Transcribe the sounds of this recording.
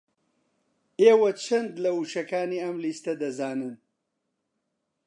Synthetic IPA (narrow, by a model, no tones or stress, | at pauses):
ewɐt͡ʃʰɐnd̪lɐuʃɐkaːniamlist̪ɐd̪ɐzaːnɐn